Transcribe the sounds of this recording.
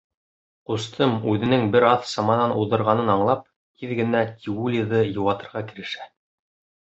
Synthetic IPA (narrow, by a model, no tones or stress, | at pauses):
qust̪ʰɤmʉðɘ̆nɘŋbɘɾɑθsɑmɑnɑnʔuðɤ̆ɾʁɑnɤnɑɴlˠɑp̚ | t̪ʰiðɡɘ̆næt̪ʲʰiulʲiðɤjɤ̆wɑt̪ɤ̆ɾʁɑkɘ̆ɾɘ̆ʃæ